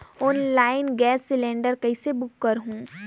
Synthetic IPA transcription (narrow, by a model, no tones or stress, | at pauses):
ɔːnlaːɪnɡɛːsːɪlẽːɳɖəɾkɐɪsebʊkːəɾɦũː